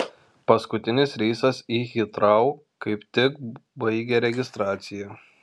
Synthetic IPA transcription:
pɐskʊt̪ʲɪnʲɪsɾʲiːsɐsiːxʲɪt̪ɾɐʊ | kɐɪpt̪ʲɪkbɐɪɡʲɛɾʲɛɡʲɪst̪ɾɑːt̪sʲɪjɛ

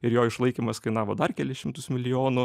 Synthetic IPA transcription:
ɪɾjoːɪʃlˠɐɪkʲimɐskɐɪnɑːʋoːd̪ɐrkʲæːlʲɪsʃʲɪmt̪ʊsmʲɪlʲɪjoːnʊ

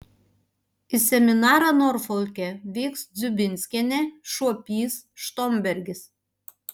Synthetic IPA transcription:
isʲɛmʲɪnɑːɾɑnɔɾfɔlʲkʲɛʋʲiːksd̪zʲʊbʲɪnʲsʲkʲɛnʲɛʃuɔpʲiːs | ʃt̪omʲbʲɛɾʲɡʲɪs

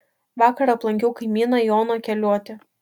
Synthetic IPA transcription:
ʋɑːkɐɾɐplˠɐŋʲkʲɛʊkɐɪmʲiːnɐjoːnoːkʲɛlʲuɔt̪ʲɪ

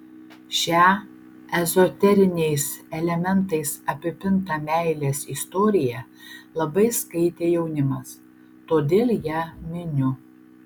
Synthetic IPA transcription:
ʃʲæː | ɛzɔt̪ʲɛɾʲɪnʲɛɪsɛlʲɛmʲɛnt̪ɐɪsɐpʲɪpʲɪnt̪ɐmʲæɪlʲeːsist̪ɔːɾʲɪjɛlˠɐbɐɪskɐɪt̪ʲeːjɛʊnʲɪmɐs | t̪oːd̪ʲeːlʲˠjæːmʲɪnʲʊ

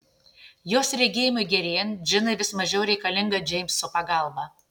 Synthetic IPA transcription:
joːsɾʲɛɡʲeːjɪmʊɪɡʲɛɾʲeːjnʒʲɪnɐɪʋʲɪsmɐʒʲɛʊɾʲɛɪkɐlʲɪŋɡɐd͡ʒʲɛɪmʲsːʊpɐɡɑˑlˠbɐ

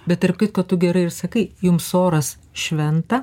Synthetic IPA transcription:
bʲɛt̪t̪ɐrpkɐɪt̪kɐtt̪ʊɡʲɛɾɐɪɪrsɐkɐɪjʊmsoːɾɐs | ʃʲʋʲɛnt̪ɐ

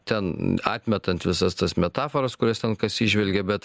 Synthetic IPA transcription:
t̪ʲɛnɑ̰ːt̪ʲmʲɛt̪ɐnt̪ʋʲɪsɐst̪ɐsmʲɛt̪ɑːfoɾɐskʊɾʲɛst̪ʲɛnkɐsʲiʒʲʋʲɛlʲɡʲɛbʲɛt̪

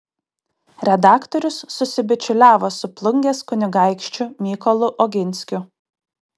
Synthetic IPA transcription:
ɾʲɛd̪ɑːkt̪ɔɾʲʊsːʊsʲɪbʲɪt͡ʃʲʊlʲæːʋoːsʊplˠʊŋʲɡʲeːskʊnʲɪɡɐˑɪkʃʲt͡ʃʲʊmʲiːkɔlˠʊʔɔɡʲɪnʲsʲkʲʊ

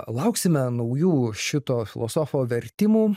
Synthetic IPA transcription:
lˠɐʊksʲɪmʲɛnɐʊjuːʃʲɪt̪oːfʲɪlˠo̰ːsoːfoːʋʲɛɾʲt̪ʲɪmuː

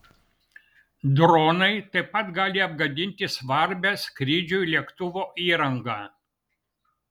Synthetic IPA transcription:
d̪ɾɔːnɐɪt̪ɐɪpːɐt̪ɡɑːlʲɪɐb̚ɡɐd̪ʲɪnʲt̪ʲɪsʋɐɾʲbʲɛskɾʲɪːd͡ʒʲʊlʲiɛkt̪ʊʋoːʔiːɾɐŋɡɑː

